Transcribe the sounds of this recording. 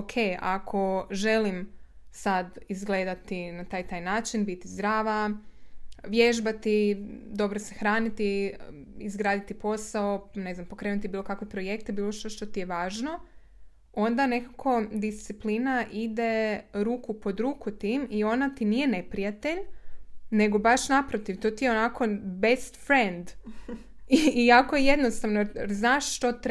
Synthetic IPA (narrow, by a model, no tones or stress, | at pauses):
okʰeja̰kʰo̞ʒe̞limsad̪izɡle̞ːd̪at̪inat̪aːjt̪aːjnaːt͡ʃinbit̪izd̪ɾaːʋa | ʋjeʒbat̪id̪o̞bɾose̞xɾaːnit̪i | izɡɾaːd̪it̪ipo̞sao̞ne̞znampo̞kɾe̞ːnut̪ibiːlo̞kakʋepɾo̞je̞k̚t̪ebiːloʃt̪oʃt̪o̞t̪ijeʋaːʒno̞ | o̞nd̪ane̞kakʰo̞d̪ist̪siplinaʔid̪e̞ɾuːkupo̞d̪ɾuːkut̪iːmio̞nat̪inije̞ne̞pɾijat̪e̞ʎ | ne̞ɡo̞baʃnapɾot̪iʋt̪o̞t̪ijeonako̞best̪fɾend̪ | iːakojeje̞d̪nost̪aʋnoeeɾznaːʃʃt̪o̞t̪